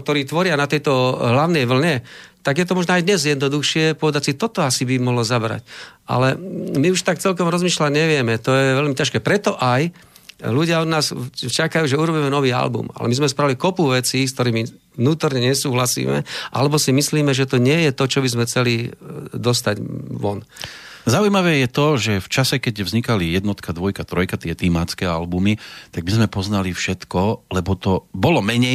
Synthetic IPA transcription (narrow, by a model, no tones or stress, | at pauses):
k̚t̪ɔɾiːt̪ʋɔɾɪanat̪ɛjt̪ɔɦlaʊnɛjʋl̩ɲɛt̪aɡjɛt̪̬ɔmɔʒnɔajd̪ɲɛzjɛd̪nɔd̪uxʃɪɛpɔʋɛd̪acsit̪ɔt̪ɔasibimɔɦlɔzabɾa̰cʔa̰lɛmiuʃt̪ak̚t͡sɛlkɔmɾɔzmiːʃlaɟɲɛʋɪɛmɛt̪ɔjɛʋɛlmicaʃkɛːpɾɛt̪ɔʔaj | luɟɪaɔd̪naːst͡ʃakajuːʒɛuɾɔbiːmɛnɔʋiːa̰lbṵma̰lɛ̰mizmɛspɾalikɔpuʋɛt͡siːskt̪ɔɾiːmi | ʋnuːt̪ɔɾɲɛɲɛsuːɦlasḭːmɛ̰ʔa̰lɛbɔsimisliːmɛʒɛt̪ɔɲɪɛjɛt̪ɔt͡ʃɔbizmɛxt͡sɛlid̪ɔst̪aɟʋɔn | zaujmaʋɛːjɛt̪ɔʒɛft͡ʃasɛkɛɟvzɲikalijɛd̪nɔt̪kad̪ʋɔjkat̪ɾɔjkat̪ɪɛt̪imat͡skɛːa̰lbumit̪aɡ̚bizmɛpɔznalifʃɛt̪kɔlɛbɔt̪ɔbɔlɔmɛɲɛj